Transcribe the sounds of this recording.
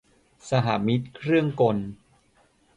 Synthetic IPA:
sa˧ɦaː˩˦mi˦˥t̪̚kʰɾɯ˥˩əŋko˧n

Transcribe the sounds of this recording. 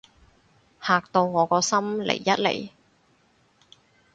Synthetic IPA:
haː˨k̚t̪o˧wŋɔː˨˧kɔː˧sɐ˥mlḛ˨˩jːɐ˥t̚lḛ˨˩j

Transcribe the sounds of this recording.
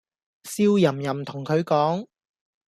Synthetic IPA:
siː˥wjɐ˨˩mjɐ˨˩mt̪ʰʊ˨˩ŋkʰɵ˨˧ɥkɔː˨˥ŋ

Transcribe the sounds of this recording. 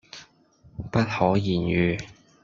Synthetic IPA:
pɐ˥t̚hɔː˨˥jiː˨˩njyː˨˧

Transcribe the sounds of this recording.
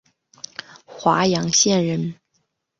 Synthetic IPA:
xwa˧˥jɑ˧˥ŋɕjɛ˥˧nɻə˧˥˩n

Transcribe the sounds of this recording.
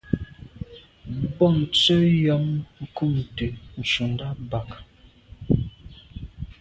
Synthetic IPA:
bɔ˦˨n̩˨t͡sə˦jɔ˨˦mŋ̩˦ku˦˨mtə˨n̩˨ʃu˨nda˦ba˨k

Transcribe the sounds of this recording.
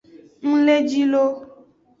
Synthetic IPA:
ŋ̩̃˦le˦d͡ʒi˦lo˦

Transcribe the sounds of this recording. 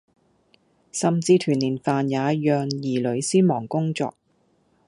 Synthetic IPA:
sɐ˨mt͡siː˧t̪ʰyː˨˩niː˨˩nfaː˨njaː˨˧jœː˨ŋjiː˨˩lɵ˨˧ɥsiː˥mɔː˨˩ŋkʊ˥ŋt͡sɔ̰ː˧k̚

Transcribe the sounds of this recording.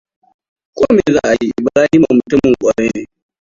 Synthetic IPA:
kʷoː˦meː˨zaː˦˨ʔa˨ji˦ʔba˨laː˦ji˦ma˨mʊ˨tʊ˦mɪ˨ŋkʷʼa˨ɽeː˦neː˨

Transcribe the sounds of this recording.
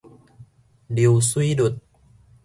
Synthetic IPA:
di˨wsu˧i˦du˨˩t̪̚

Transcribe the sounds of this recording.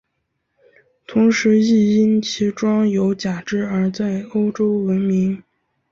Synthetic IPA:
t̪ʰʊ˧˥ŋʂɻ̩˧˥i˥˩i˥nt͡ɕʰi˧˥ʈ͡ʂwɑ˥ŋjo˧˥ʊt͡ɕja˨˩ʈ͡ʂɻ̩˥˩ə˞˧˥t͡sa˥˩ɪo˥ʊʈ͡ʂo˥ʊwə˧˥nmi˧˥ŋ

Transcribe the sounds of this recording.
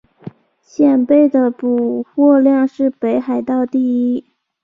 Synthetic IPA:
ɕjɛ˥˩npe˥˩ɪd̪ə˩pu˨˩xwɔ˥˧ljɑ˥˧ŋʂɻ̩˥˩pe˧˥ɪxa˨˩ɪt̪ɑ˥˧ʊt̪i˥˩˧ii˥

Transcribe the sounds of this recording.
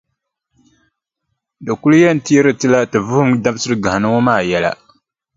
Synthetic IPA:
dɨ˨ku˦lu˦jɛ˦n̩˨ti˦e˦ɾɨ˦tɨ˦la˦tɨ˨vʊ˦hʊ˦mda˦bsɨ˦ɾɨ˦ɡa˨ha˨nɨ˦ŋo˦maː˦˨jɛ˨la̰˨

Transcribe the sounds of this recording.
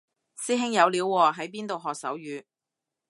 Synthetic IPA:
siː˥ɦɪ˥ŋjɐ˨˧wliː˨˧˥wːɔː˧ɦɐ˨˥jp̬iː˥nt̪o˨wɦɔː˨k̚sɐ˨˥wjyː˨˧

